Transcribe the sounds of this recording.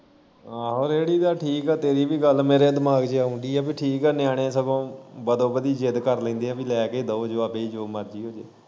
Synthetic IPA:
aːɦoːɾeːɽiːd̪aːʈʰiːkɛːt̪eːɾiːbiːɡəlmeːɾeːd̪ɪmaːɡd͡ʒeaːʊ̃ɳd̪iːɛːbiʈʰiːkɛːnɪjaːɽ̃ẽːsəbõːbəd̪õːbəd̪iːd͡ʒɪd̪kəɾlɛ̃ːnd̪iːɛ̃ːbiːlɛːkeːd̪əoːd͡ʒoːəpeːiːd͡ʒoːməɾd͡ʒiːɦoːd͡ʒeː

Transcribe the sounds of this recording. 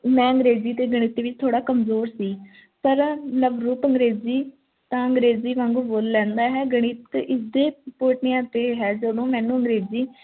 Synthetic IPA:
mɛ̃ːəŋɡɾeːziːt̪eːɡəɽ̃ɪt̪iːʋɪt͡ʃt̪ʰoːɽaːkəmzoːɾsiː | pəɾləbɾuːpəŋɡɾeːziː | t̪ãːə̃ŋɡɾeːziːʋãŋɡuboːlːɛ̃ːnd̪aːɦɛːɡəɽ̃ɪt̪ʔɪsd̪eːpoːʈnɪjãːt̪eːɦɛːd͡ʒəd̪õːmɛ̃ːnũːəŋɡɾeːziː

